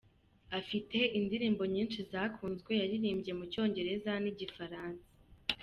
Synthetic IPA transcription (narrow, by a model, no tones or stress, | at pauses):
afite̞ʔindiɾiːmbo̞ɲiːnʃizaːkʰuːnzɡwe̞jaɾiɾiːmbɟe̞muco̞ːɲɟe̞ɾe̞zaniɟifaɾaːnsḁ